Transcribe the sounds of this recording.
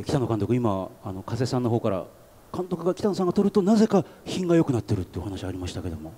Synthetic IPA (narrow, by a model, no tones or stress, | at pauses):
kʲi̥t̪ano̞kãnt̪o̞kɯimaːno̞kaze̞ːsãnːo̞ɦo̞ːkaɾa̰ | kãnt̪okɯ̟ɡakʲi̥t̪ano̞sãŋɡat̪oɾɯ̟t̪o̞naze̞kaçĩŋɡajo̞kɯ̟nat̪ːeɾɯ̟t̪ːeiɯohanaɕiaɾʲimaɕi̥t̪ake̞d̪o̞mo̞